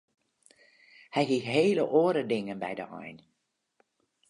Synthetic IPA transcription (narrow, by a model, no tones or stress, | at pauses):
hɛjɦixɦeːləʔoːəɾədɪŋənbɛ̰jdə̰ʔɔ̰jn